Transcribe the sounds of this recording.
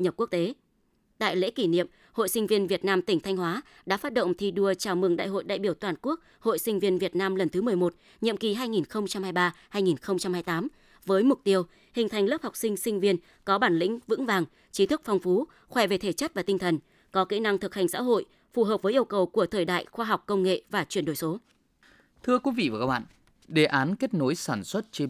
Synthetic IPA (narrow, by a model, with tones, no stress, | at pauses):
ɲə˨˩p̚ku˦˥ək̚t̪e˨˦ | ɗ̪a̰ː˧˨jlḛ˧˥ki˧˩nḭ˧˨əm | ho̰˧˨jsï˧ŋ̟vi˧ənvi˨˩ət̚naː˧mt̪ï˧˩ŋ̟t̪ʰa˧jŋ̟hwaː˨˦ | ɗa̰ː˧˥faː˦˥t̚ɗo̰˧˨wŋ͡mt̪ʰi˧ɗu˧ət͡ɕaː˧˩wmɨ˨˩əŋɗa̰ː˧˨jɦo̰˧˨jɗa̰ː˧˨jɓi˧˩əwt̪waː˨˩nku˦˥ək̚ | ho̰˧˨jsï˧ŋ̟vi˧ənvi˨˩ət̚naː˧mlə˨˩nt̪ɨ˨˦mɨ˨˩əjmo˨˩t̚ | ɲḭ˧˨ə˨mki˨˩ɦaː˧jŋi˨˩nxə˧wŋ͡mt͡ɕa˧mhaː˧jɓaː˧haː˧jŋi˨˩nxə˧wŋ͡mt͡ɕa˧mhaː˧jt̪aː˨˦m | vəː˨˦jmʊ˨˩k͡p̚t̪i˧əw | hï˨˩ŋ̟t̪ʰa˨˩jŋ̟lə˦˥p̚ha˨˩wk͡p̚sï˧ŋ̟sï˧ŋ̟vi˧ən | kɔ˨˦ɓaː˧˩nlḭ̈˧˥ŋ̟vɨ̰˧˥ŋvaː˨˩ŋ | t͡ɕi˨˦t̪ʰɨ˦˥k̚fɔ˧wŋ͡mfu˨˦ | xwɛ˧˩ve˨˩t̪ʰe˧˩t͡ɕə˦˥t̚vaː˨˩t̪ï˧ŋ̟t̪ʰə˨˩n | kɔ˨˦ke˨˦na˧ŋt̪ʰɨ˨˩k̚ha˨˩jŋ̟sa̰ː˧˥ɦo̰˧˨j | fu˨˩ɦəː˨˩p̚və˨˦ji˧əwkə˨˩wku˧˩ət̪ʰəː˨˩jɗa̰ː˧˨jxwaː˧ɦwk͡p̚kːə˧wŋ͡mŋḛ˧˨vaː˨˩t͡ɕwi˧˩ənɗo˧˩jso˨˦ | t̪ʰɨ˧əkwi˨˦vḭ˧˨vaː˨˩kaː˦˥ɓa̰ː˧˨ | ɗe˨˩ʔaː˨˦nke˦˥t̚no˨˦jsaː˧˩nswə˦˥t̚t͡ɕe˧